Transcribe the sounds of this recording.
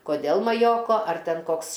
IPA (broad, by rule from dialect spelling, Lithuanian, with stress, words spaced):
koːˈdʲeːlˠ mɐˈjoːkoː ɐr ˈtʲɛn ˈkoːks